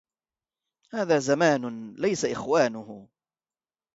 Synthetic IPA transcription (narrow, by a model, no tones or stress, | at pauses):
haːðaːzamaːnʊlajsaʔɪxwaːnʊhʊ